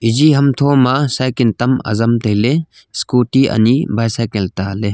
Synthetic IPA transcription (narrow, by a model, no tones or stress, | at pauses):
id͡ʒiɦɐmt̪ʰomasajkint̪ɐmɐ̰zɐmt̪ɐjle | skutiʔɐ̰nibʱajsajkelt̪ale